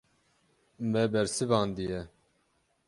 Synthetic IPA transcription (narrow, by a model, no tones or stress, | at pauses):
mɛbɛɾsɨvɑːnd̪ijɛ